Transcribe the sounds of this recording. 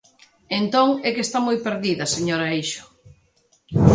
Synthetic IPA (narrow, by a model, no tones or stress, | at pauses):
ent̪oŋɛkest̪amojpeɾðiðɐseɲoɾɐejʃʊ̥